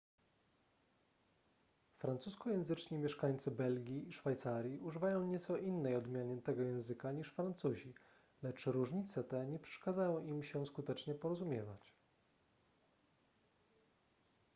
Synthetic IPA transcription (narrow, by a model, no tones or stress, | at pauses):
fɾant̪suskɔjɛ̃w̃zɘt͡ʂɲimʲjɛʂkaɲt̪sɘbɛlɡʲiːʂfajt̪saɾʲjiuʐɘvajɔ̃w̃ɲɛt̪sɔʔinːɛjɔd̪mʲjaɲɛnt̪ɛɡɔjɛ̃w̃zɘkaɲiʂfɾant̪suʑi | lɛt͡ʂɾuʐɲit̪sɛt̪ɛɲɛpʂɛ̥ʂkazajɔ̃w̃imɕɛskut̪ɛt͡ʂɲɛpɔɾɔzumʲjɛva̰t͡ɕ